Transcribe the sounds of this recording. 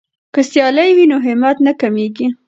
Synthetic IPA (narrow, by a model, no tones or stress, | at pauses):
kəsjɑlajwinoɦɪmɑt̪nakameɡi